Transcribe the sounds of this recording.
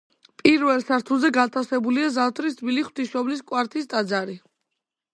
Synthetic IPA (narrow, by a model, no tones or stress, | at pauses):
pʼiɾvɛlˠsaɾt̪ʰulˠzɛɡat̪ʰasɛbuliazat̪ʰɾisd̪biliχw̥t̪ʰiʃɔbliskʼwaɾt̪ʰist̪ʼad̪zaɾi